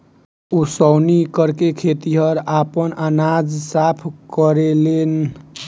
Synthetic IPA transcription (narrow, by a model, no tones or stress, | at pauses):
usəwnikəɾkekʰet̪iɦʌɾapənanad͡ʒsapʰkəɾelen